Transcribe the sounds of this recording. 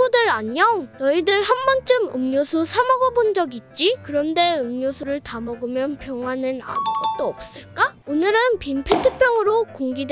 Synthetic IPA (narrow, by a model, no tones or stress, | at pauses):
udɯɾaɲʌnʌidɯɭhanbʌnt͡ɕ͈ɯmɯmɲosʰusʰamʌɡʌbond͡ʑʌɡit̚t͡ɕ͈ikɯɾʌnde̞ɯmɲosʰuɾɯɭtamʌɡɯmjʌnpjʌŋɦwanɯna̰ɯɡʌt̚t͈oʌp̚s͈ɯɭk͈aonɯɾɯnpinpʰetʰɯpʰjʌŋɯɾokoŋɡid